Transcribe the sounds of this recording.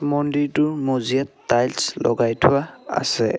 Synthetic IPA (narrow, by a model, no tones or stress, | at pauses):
mɔnditʊɹmozijatːajlslɔ̰ɡajtʰʊwaa̰sɛ